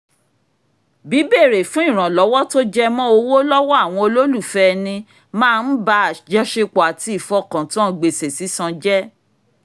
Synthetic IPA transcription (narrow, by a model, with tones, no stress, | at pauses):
bi˨˦be˦˨ɾe˨fũ˨˦ĩ˦˨ɾ̃ã˨lɔ˨˦wɔ˦to˦d͡ʒɛ˦mɔ̃˦o˧wo˦lɔ˦wɔ˦a˦˨w̃ɔ̃˧o˧lo˦lu˦˨fɛ˦˧nĩ˧ | mãː˦˧n̩˦ba˧a˨d͡ʒɛ˨˦ʃe˧k͡pɔ˨a˨ti˧i˨fɔ˧kã˨tã˦˨˦ɡ͡be˨se˨si˨˦sã˧d͡ʒɛ˦